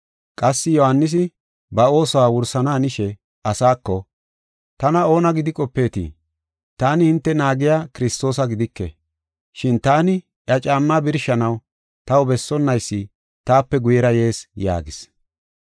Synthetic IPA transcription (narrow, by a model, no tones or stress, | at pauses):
kʼɐsːɪjɔhɐnːɪs̬ɪ | bɐo̞ːsɔwaːwʊɾsɐnaːnɪʃɛ | ɐsaːkːɔ | t̪ɐnɐo̞ːnɐɡɪd̪ɪkʼɔpːe̞ːt̪ḭ | t̪aːnɪhɪnt̪ːɛnaːɡɪjaːkɪɾɪst̪o̞ːsɐɡɪd̪ɪkːɛ̰ | ʃɪnt̪aːnɪ | ʔɐt͡ʃʼaːmːabɪɾʃɐnɐw | t̪ɐwʊbɛsːɔnːɐjsːɪ | t̪aːpːɛɡʊjɛɾɐje̞ːsja̰ːɡɪs